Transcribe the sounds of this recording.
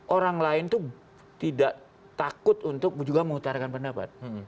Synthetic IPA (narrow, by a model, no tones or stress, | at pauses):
ʔoɾaŋlaɪnt̪u | t̪idaʔ | t̪akʊt̪unt̪ʊk̚d͡ʒuɡaməŋut̪aɾakanpəndapa̰t̪̚